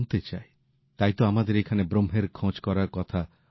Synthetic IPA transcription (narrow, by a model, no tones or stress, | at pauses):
nt̪et͡ʃae | t̪ajt̪ɔamad̪eɾekʰanebɾomɦeɾkʰɔ̃t͡ʃkɔɾakɔt̪ʰa